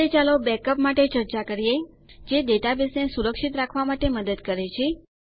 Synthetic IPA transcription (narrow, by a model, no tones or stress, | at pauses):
et͡ʃalobɛkəpmaʈet͡ʃəɾt͡ʃakəɾie | d͡ʒed̪eʈ̪abesnesuɾəkʃit̪ɾakʰʋamaʈeməd̪əd̪kəɾet͡ʃʰe